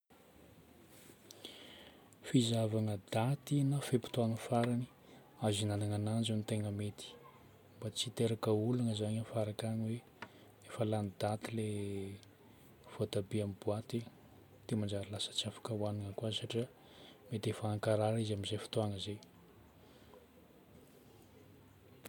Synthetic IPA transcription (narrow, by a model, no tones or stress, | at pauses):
fizavaŋəd̪̥at̪inafepi̥t̪uaŋəfaɾani̥ | azinanaŋanand͡ʒunit̪eŋəmet̪i̥ | mbat͡sit̪eɾakəulanəzaɲafaɾakaniwe | efalanid̪̥at̪ile | fot̪abiamibuat̪i | t̪emand͡ʒaɾilasə̥t͡siafḁkəwaniŋəkuasaʈ͡ʂi | met̪efaːŋkaɾaɾizamizefi̥t̪uaŋəze